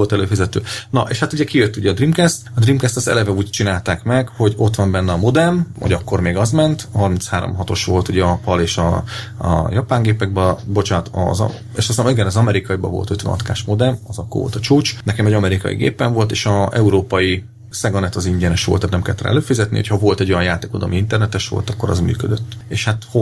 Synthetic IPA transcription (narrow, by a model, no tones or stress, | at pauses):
olt̪ɛløːfizɛt̪ø̰ːnɒ̰ʔḛːʃhat̪uɟɛkijøt̪ːuɟɛɒd̪rimkɛst̪ɒd̪rimkɛst̪ɛst̪ɛ̰lɛvɛuːct͡ʃinaːlt̪aːkmɛɡho̞ɟo̞t̪ʋɒmbɛnːɛɒmo̞d̪ɛmho̰ɟɒkːo̞rmeːɡɒzmɛnt̪ɦɒrminshaːɾo̞̰mɦɒt̪o̞ʃʋo̞lt̪uɟɛɒpɒleːʃɒ̰ | jɒpaːŋɡeːpɛɡ̚bɒbo̞t͡ʃaːt̪ɒ̰z̰ | eːʃɒst̪amiɡɛnɒzɒmɛɾikɒjibɒ̰vo̞̰lt̪øt̪ʋɛ̰ɒ̰t̪ka̰ːʃmo̞d̪ɛnɒzɒkːo̰rvolt̪ɒt͡ʃuːt͡ʃnɛkɛmɛɟɒmɛɾikɒ̰jḭɡḛːpːɛɱvo̞lt̪eːʃɒɛuɾoːpɒji | sɛɡɒnɛt̪ɒziɲɟɛnɛʃʋolt̪ːat̪nɛmkɛlːt̪rɛ̰løːfizɛt̪niho̰cʰhɒvo̞lt̪ɛɟojɒnjaːt̪eːkod̪o̰ːmiint̪ɛrnɛt̪ɛʃʋo̰lt̪ɒkːo̞ɾɒ̰zmy̰ːkød̪øt̪ːeːʃhat̪ho